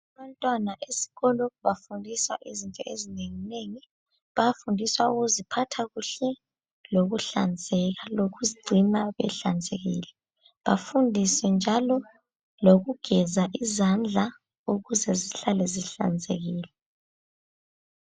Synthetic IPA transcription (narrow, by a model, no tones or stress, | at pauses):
aβantʼwanaʔesi̥ɣɔlɔβafundʱiswa̰ʔizintʼɔezineŋineŋi | βafundʱiswaṵɣuzipʰatʰaɣuɬɛ | loɣuɬand͡zʱɛɣaloɣuziɡ͡ǀʱimaβɛ̰ɬand͡zʱeɣḭːlɛ | βafundʱisɛnd͡ʒʱalɔ | loɣuɡ̥ʱɛzaʔizand͡ɮʱa | uɣuzɛziɬalɛziɬa̰nd͡zʱḛɣiːlɛ